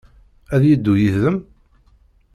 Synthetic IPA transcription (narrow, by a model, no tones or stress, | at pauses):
æðjid̪ːujiθðəm